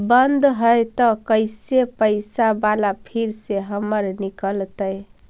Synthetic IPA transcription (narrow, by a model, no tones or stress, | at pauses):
bənd̪ɦəjt̪əkəjsepəɪsabalapʰiɾseɦəməɾnikəlt̪əj